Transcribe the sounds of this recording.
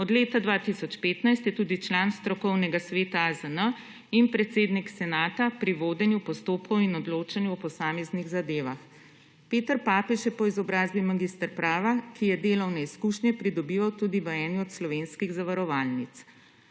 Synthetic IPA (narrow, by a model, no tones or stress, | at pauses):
ɔd̪leːt̪ad̪ʋaːt̪isɔt͡ʃpeːt̪najst̪jɛt̪uːd̪it͡ʃlanst̪ɾɔkɔwnɛɡasʋeːt̪azənə | inpɾɛt̪seːd̪niksɛnaːt̪apɾiʋoːd̪ɛnjupɔst̪oːpkɔwinɔd̪loːt͡ʃɛnjupɔsaːmɛzniɣzad̪eːʋax | peːt̪əɾpaːpɛʃjɛpɔizɔbɾaːzbimaɡist̪əɾpɾaːʋakijɛd̪eːlɔwnɛiskuʃnjɛpɾid̪ɔbiːʋawt̪uːd̪iʋəɛːniɔt̪slɔʋeːnskiɣzaʋaɾɔʋaːlnit̪s